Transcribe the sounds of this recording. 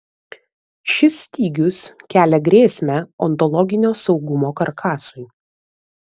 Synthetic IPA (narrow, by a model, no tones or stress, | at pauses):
ʃʲɪsʲːt̪ʲiːɡʲʊskʲæːlʲɛɡɾʲeːsʲmʲæɔnt̪ɔlˠɔɡʲɪnʲoːsɒʊɡʊmoːkɐɾkʰɑːsʊɪ